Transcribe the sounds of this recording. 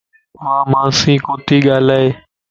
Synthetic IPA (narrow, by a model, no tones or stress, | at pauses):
ãːmãːsĩːkoːt̪iːɠaːlaːeː